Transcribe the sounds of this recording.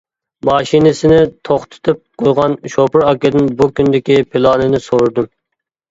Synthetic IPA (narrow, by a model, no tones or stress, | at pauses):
mɑːʃinɪsɪnɪt̪ʰoχt̪ʰɪ̥t̪ʰɨp̚qʰojʁɑnʃopɪɾɑkʲɪd̪ɪnbukʲynd̪ɪkʲipʰɪlˠɑːnɨnɪsoɾɨd̪um